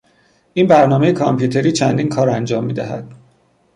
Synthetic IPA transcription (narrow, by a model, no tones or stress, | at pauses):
ʔiːnbæɾnɒːme̞jekʰɒmpʰjuːt̪ʰe̞ɾiːt͡ʃʰænd̪iːnkʰɒːɾænd͡ʒɒːmːiːd̪æɦæd̪̥